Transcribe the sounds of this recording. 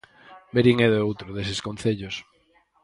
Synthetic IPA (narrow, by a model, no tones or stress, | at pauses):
beɾiŋɛðowt̪ɾoðes̬ɪskon̟θeʎos